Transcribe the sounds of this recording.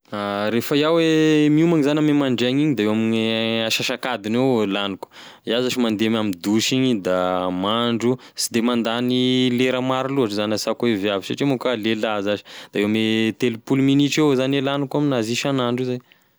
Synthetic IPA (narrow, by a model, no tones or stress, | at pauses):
aɾefəjawemiumaŋizanamemaɳɖ͡ʐaɲiɲid̪aewamiɲeaʃaʃakad̪inewlanuku̥ | iazaʃimand̪emamid̪uʃiɲid̪amaɳɖ͡ʐu | t͡sid̪emand̪anileɾəmaɾiluaʈ͡ʂəzanasakuevjavisaʈ͡ʂimukalelazaʃi̥d̪̥aewamet̪elupuluminiʈ͡ʂewzanelanukaminaziʃanaɳɖ͡ʐuzaj